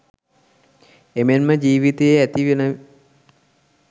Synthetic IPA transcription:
emenməd͡ʒiːʋit̪ejæt̪iʋenə

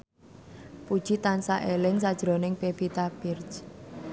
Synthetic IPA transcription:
pud̥ʒ̥i̤t̪ansaʔelɪŋsad̥ʒ̥ɾonɪŋpebit̪ab̥ɪrt͡ʃ

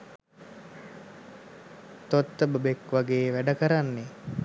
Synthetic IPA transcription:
t̪ot̪ːəbəbekʋaɡeːʋæɖəkəɾanːe

